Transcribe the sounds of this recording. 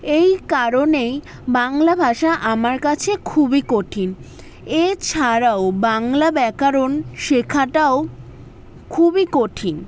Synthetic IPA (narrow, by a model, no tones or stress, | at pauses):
ejkaɾonej | baŋlabʱaʃaʔamaɾkat͡ɕʰekʰubikoʈʰin | et͡ɕʰaɾaobaŋlabɛkaɾonʃekʰaʈao | kʰubikoʈʰin